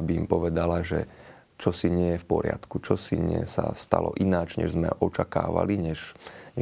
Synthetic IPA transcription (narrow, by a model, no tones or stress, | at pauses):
biːmpɔʋɛd̪alaʒɛ | t͡ʃɔsiɲɪɛjɛfpɔɾɪa̰t̪kut͡ʃɔsiɲɪɛsast̪alɔ̰ʔinaːd͡ʒɲɛ̰ʒzmɛ̰ʔɔt͡ʃakaːʋa̰liɲɛʃ